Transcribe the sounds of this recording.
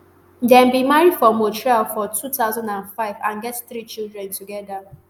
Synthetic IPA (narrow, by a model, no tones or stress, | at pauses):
n̩dɛ̃n̩bimaɹidfɔ̃motɹialfɔtut̪aʊzãndãnfaɪvãnɡɛtθɾit͡ʃildɾɛ̃ntʰuɡɛda